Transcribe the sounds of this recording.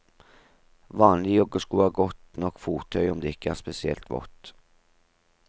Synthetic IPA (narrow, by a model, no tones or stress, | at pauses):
ʋɑːnlɪjɔɡːəskuːɑːɡɔt̪nɔkːfuːt̪ʰœʏɔmd̪eːɪkːəæ̰ːspɛsɪɛ̰lt̪ʋɔ̰t̪